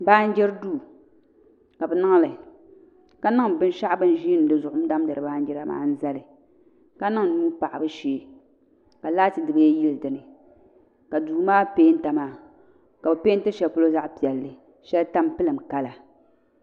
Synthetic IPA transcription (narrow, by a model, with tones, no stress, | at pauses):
baː˦n̩˦d͡ʒɛ˦ɾduː˦˨ | ka˨bɛ˨nɨ˦ŋ˦lɨ˨ | ka˦nɨ˦ŋbɨ˦n˦ʃa˦ʔbɨ˦n˦ʒi˦n˨dɨ˨zʊ˨ʔʊ˦m̩˦da˦m˦dɨ˨ɾɨ˨baː˦n̩˦d͡ʒɛ˦ɾa˦ma̰ː˦n̩˦za˦lɨ˨ | ka˦nɨ˦ŋ˨nuː˦pa˨ʔa˨bɨ˦ʃeː˨˦ | ka˨laː˦tɨ˨dɨ˨bɨ˦jɛ˦ji˦ldɨ˨nɨ˨ | ka˨duː˨maː˦peː˦n̩˦ta˨maː˦ | ka˨bɛ˨peː˦n̩˦tɨ˦ʃɛ˨lpu˦lo˦za˦ʔpi˨ɛ˨lːɨ˨ | ʃɛ˦lta˦mpɨ˦lɨ˨m̩˨ka˦la˨